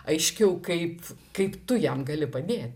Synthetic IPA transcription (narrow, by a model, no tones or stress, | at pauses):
ɐɪʃʲkʲɛʊkɐɪpkɐɪpt̪ʊjɛmɡɐlʲɪpɐd̪ʲeːt̪̚ʲ